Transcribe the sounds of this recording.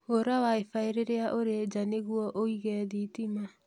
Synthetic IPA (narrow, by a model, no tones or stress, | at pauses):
ɣoɾawaefaeɾeɾeaʔoɾed͡ʒaneɣuɔʔoiɣɛːðitima